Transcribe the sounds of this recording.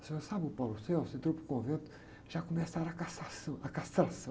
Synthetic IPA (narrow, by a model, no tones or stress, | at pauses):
sẽoɾsabɪʊpaluseasẽnt̪ɾopɾʊkõvẽnt̪ʊ̥ | ʒakomesaɾɐkasasɐ̃akast̪ɾasɐ̃